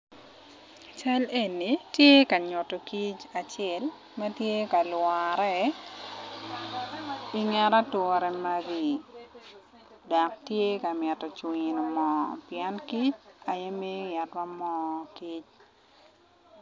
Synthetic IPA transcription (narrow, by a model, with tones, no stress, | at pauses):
t͡ʃa˦le˨ni˨tje˦ka˨ɲʊ˨tɔ˨ki˦t͡ʃa˨t͡ʃɛ˦˨l | mɛ˦tje˦ka˨lwaɾɛ˦ | i˦ŋɛ˦ɾa˦tɔɾɛ˨ma˦ɡi˨ | da˨k̚tje˦ka˨mjɛ˨tɔ˨t͡ʃwin˨mɔ˨pɪɛ˦nki˦t͡ʃa˨je˦me˦ja˨twa˦mɔ˦ki˦t͡ʃ